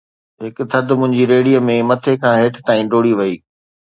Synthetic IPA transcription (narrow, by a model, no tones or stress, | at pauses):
ɦɪkʊt̪ʰɐd̪mʊ̃ɦɪ̃ɲd͡ʑiɾeːɽijəmẽmɐt̪ʰekʰãːɦeːʈt̪aːĩːɖoːɽiʋɐiː